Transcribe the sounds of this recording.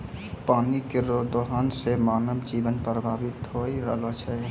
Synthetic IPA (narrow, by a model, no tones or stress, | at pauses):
paːnikeɾoːd̪oɦaːnsemaːnəbd͡ʒiːʋənpɾəbʱaːʋɪt̪ɦoiɾə̰lot͡ʃʰə